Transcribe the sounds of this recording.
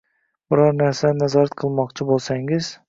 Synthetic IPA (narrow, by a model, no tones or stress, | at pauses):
b̥ʊɾɒɾnaɾsanazɒɾat̪̚qʰɨlˠmɒqt͡ʃʰɪbolˠsaŋɪz̥